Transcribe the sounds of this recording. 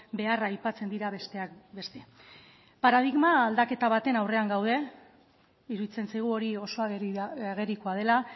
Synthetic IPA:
be̞araːjpat͡se̞nd̪iɾat̪eakbe̞st̪e̞ | paɾaðiɣmaːld̪ake̞t̪aβ̞at̪e̞nawre̞aŋɡawð̞e̞ | iɾuðit͡se̞nsajɣ̞uo̞ɾio̞so̞aɣaɣe̞ɾiko̞að̞e̞la

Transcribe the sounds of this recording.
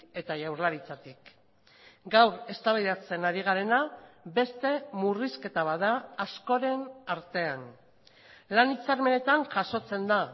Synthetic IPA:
e̞t̪aʝawɾlaɾit͡sat̪ik | ɡawɾe̞st̪aβajðat͡se̞naɾiɣ̞aɾe̞nabe̞st̪e̞muriske̞t̪aβaðaːsko̞ɾe̞naɾt̪e̞an | lanit͡saɾme̞ne̞t̪anʝaso̞t͡se̞nd̪a

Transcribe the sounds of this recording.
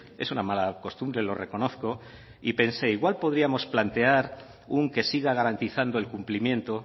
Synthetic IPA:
e̞̰sunamalako̞st̪umbɾe̞lo̞re̞ko̞no̞θko̞ | ipe̞nse̞iɣwalpo̞ðɾiamo̞splant̪e̞aɾ | uŋke̞siɣaɣ̞aɾant̪iθand̪oe̞lkumplimjẽ̞nt̪o̞

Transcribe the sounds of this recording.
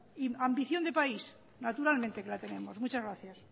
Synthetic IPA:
iambiθjond̪epais | nat̪uɾalmẽ̞nt̪e̞kelat̪e̞ne̞mo̞zmut͡ʃazɣɾaθjas

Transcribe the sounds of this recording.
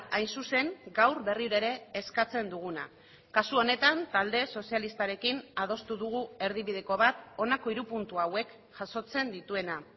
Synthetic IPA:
ajnsuse̞ŋɡawɾβe̞riɾaeɾe̞ːskat͡se̞nd̪uɣ̞una̰ | kasuo̞ne̞t̪ant̪ald̪e̞so̞sialist̪aɾe̞kinað̞o̞st̪uðuɣ̞ue̞ɾð̞iβið̞e̞ko̞βat̪o̞nako̞iɾupunt̪uawe̞k | ʝ̥aso̞t͡se̞nd̪it̪ue̞na

